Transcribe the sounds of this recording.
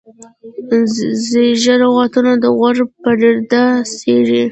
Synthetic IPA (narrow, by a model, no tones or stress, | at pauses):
zeʒaɾawɑt̪unod̪əɣaɾpəɖeɾd̪aseɾi